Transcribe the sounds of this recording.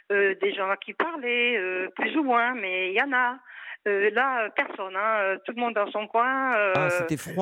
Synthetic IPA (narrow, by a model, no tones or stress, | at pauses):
ød̪eʒɑ̃kʰʲipaʁlɛøplyzumwɛ̃mɛijãnaølaøpɛʁsɔnɛ̃øt̪uləmɔ̃d̪d̪ɑ̃sɔ̃kwɛ̃øɛfχwa